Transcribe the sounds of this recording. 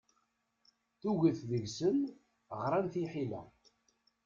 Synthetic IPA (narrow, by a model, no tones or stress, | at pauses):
θuʝiθðəʝsən | ʁɾˤanθiħilæ̰